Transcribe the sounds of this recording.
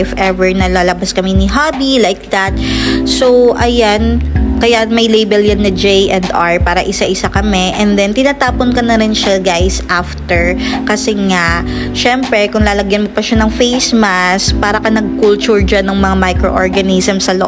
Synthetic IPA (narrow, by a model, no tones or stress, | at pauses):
fʔɛvɛɹnɐlaːlɐbaskɐmɛnɪɦaːbilajk̚d̪at̪̚sowʔɐjankɐjamɐjlejbɛljɐnːɐd͡ʒejʔɛnd̪aɹpaːɾɐʔɪsaʔɪsakɐmɛʔɛnd̪ɛnt̪ɪnaːt̪aːponkɐnɐɾɪnʃaɡajsʔaft̪ɛɹkɐsɛŋaʔ | ʃɛmpɾɛkʊŋlaːlɐɡjɐnmopɐʃanɐŋfejsmaspaːɾɐkɐnɐɡ̚kʊlt͡ʃʊɹd͡ʒanɐŋmɐŋamajkɾo̰ʔo̰ɹɡɐnisɐmsɐloʔ